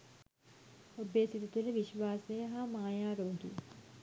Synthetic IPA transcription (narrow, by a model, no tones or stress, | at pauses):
obeːsit̪ut̪uɾəʋiʃʋaːsejəɦamaːjaːɾoːɡḭ